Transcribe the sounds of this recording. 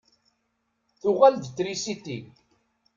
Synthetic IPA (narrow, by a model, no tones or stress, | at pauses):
θʊʁæld̪t͡sːɾisit̪i